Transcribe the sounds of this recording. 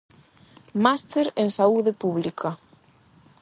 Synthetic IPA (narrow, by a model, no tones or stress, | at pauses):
mast̪eɾeŋsauðepuβlikʰɐ